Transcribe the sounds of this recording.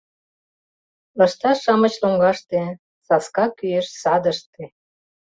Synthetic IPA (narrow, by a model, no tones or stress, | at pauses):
ɑ̆ʃt̪ɑʃɑmɤ̆t͡ɕloŋɡɑʃt̪e | sɑskɑkyeʃsɑd̪ə̆ʃt̪e